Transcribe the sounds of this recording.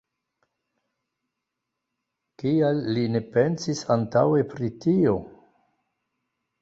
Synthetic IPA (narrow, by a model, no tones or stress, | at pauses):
kialːine̞pe̞nsisantawe̞pɾitio̞